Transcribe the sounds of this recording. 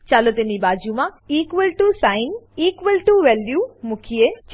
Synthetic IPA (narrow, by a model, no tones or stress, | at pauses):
t͡ɕaːlot̪ɪnibaːd͡ʑũmãiːkʋəlʈusaːɪniːkʋəlʈuʋɛːlɗjuːmũkʰiet͡ɕ